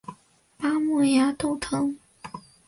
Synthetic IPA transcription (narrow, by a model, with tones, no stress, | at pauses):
pa˥mu˥˩ja˧˥t̪o˥˩ʊt̪ʰɤ˧˥ŋ